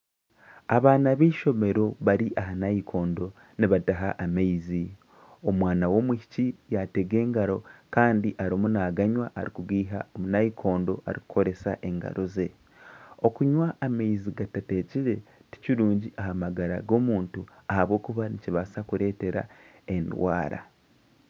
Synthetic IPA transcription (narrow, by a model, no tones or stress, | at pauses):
aβaːnaβiːʃo̞me̞ɾo̞βaɾiʔaɦanaikʰo̞ːndo̞ | niβataɦaʔːmeizi | omwaːnawo̞ːmwihi̥cijate̞ɡe̞ːŋɡaɾo̞kaːndiʔaɾomunaːɡaɲwaʔa̰ɾikuɡiːɦao̞munajikʰo̞ːndo̞ʔa̰ɾiku̥kʰo̞ɾe̞sa̰ʔe̞ŋɡa̰ɾoze̞ | o̞kuɲwaːmeiziɡatate̞ciɾe̞ti̥ciɾuːɲɟiʔaɦamaɡaɾa̰ɡo̞ːmuːntuahaβwo̞ːkuβaniciβasakuɾe̞ːte̞ɾa̰ | endwa̰ːɾa̰